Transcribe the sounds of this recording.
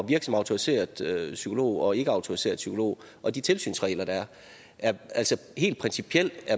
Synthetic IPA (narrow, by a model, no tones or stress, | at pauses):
ʋiɐɡ̥sɒ̽mɑ̈ʊt͡sʰo̝ʁise̝̰ːɐðˠøsykʰo̝lo̝̰ːɒ̽e̝ɡ̥əɑ̈ʊt͡sʰo̝ʁise̝̰ɐðˠsykʰo̝lo̝̰ː | ʔɒ̽d̥it͡sʰe̝lsy̰ːnsʁɛ̰ːlɐɾ̥ɑ̈æɐ | ʔæɐæl̰sɒ̽he̝̰ːl̥̚pʰʁɛnsipʰiel̰̥æɐ